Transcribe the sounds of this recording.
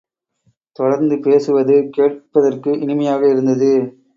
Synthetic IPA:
t̪ɔɽɐɾnd̪ɯpeːsɯʋɐðɯkeːʈ̚pɐðɐrkɯʔɪnɪmɐjaːɣɐɪɾɯnd̪ɐðɯ

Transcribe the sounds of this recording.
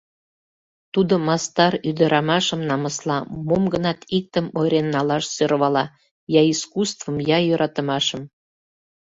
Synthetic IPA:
t̪ud̪omɑst̪ɑɾyd̪əɾɑmɑʃəmnɑməslɑmomɡənɑt̪ik̚t̪əmojɾenːɑlɑʃsøɾβɑlɑ | jɑiskust̪vəmjɑjøɾʔɑt̪əmɑʃəm

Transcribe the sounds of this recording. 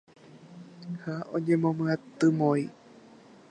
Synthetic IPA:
haʔo̰ɲẽmõmɨ̃at̪ɨmõi

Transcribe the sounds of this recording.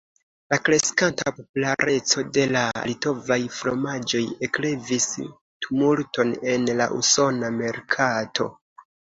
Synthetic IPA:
lakɾe̞skantapo̞pulaɾʔe̞t͡so̞de̞la̰lito̞vajflomad͡ʒo̞je̞kle̞vis | tumulto̞ne̞nla̰ʔuso̞name̞ɾkʰatʰo̞̰

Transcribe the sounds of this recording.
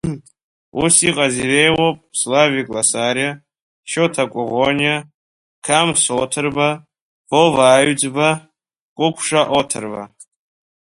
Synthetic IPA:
usiqʼazirejwopʼslavikʼlasaɾja | ʃotʰakʷʼʊʁonia | kʰamsotʰɨrba | b̥ovaːɥd͡zba | kʷʼʊkʷʰʂaʔotʰɨrba̰

